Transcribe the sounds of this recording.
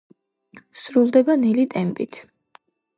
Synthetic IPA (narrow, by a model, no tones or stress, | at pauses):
sɾulˠd̪ɛbanɛlit̪ʼɛmpʼit̪ʰ